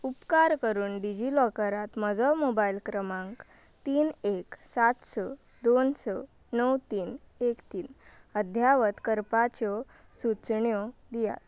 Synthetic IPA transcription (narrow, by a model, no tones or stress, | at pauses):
upkaɾkəɾuːnɖid͡ʑilɔkəɾat̪məd͡zɔmobailkɾəmãŋk | t̪iːneksat̪sɔ | d̪onsɔ | nəwt̪iːn | ekt̪iːnəd̪ʱjaʋət̪kəɾpat͡ɕɔ | sut͡sɳjɔd̪ija̰t̪